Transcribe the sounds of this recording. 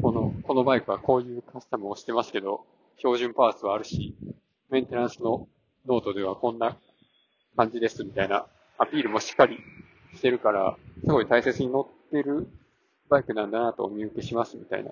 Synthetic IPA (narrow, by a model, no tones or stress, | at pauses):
ko̞no̞ko̞no̞baikɯ̟βako̞ːjɯ̟ːkasi̥t̪amɯ̟oɕi̥t̪e̞masɨ̥ke̞d̪o̞ | ço̞ːʑɨ̃mpaːsɨβaːɾɯ̟ɕi | mẽ̞nt̪e̞ɾãɰ̃sɨno̞ | no̞ːt̪o̞d̪e̞β̞akõ̞nːa | kãɲ̟d͡ʑid̪e̞sɨmʲit̪aina̰ | apʲiːɾɯ̟mo̞ɕi̥kːaɾʲi | ɕi̥t̪e̞ɾɯ̟kaɾa̰sɨɡo̞it̪aise̞t͡sɨɲ̟ino̞t̪ːe̞ɾɯ̟ | baikɯ̟nãnd̪anat̪o̞̰mʲiɯke̞ɕimasɨmʲit̪a̰ḭna̰